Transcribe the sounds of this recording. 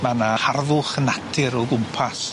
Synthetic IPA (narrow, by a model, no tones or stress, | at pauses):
manaharðʊχənatʰɪɾɔɡʊmpʰas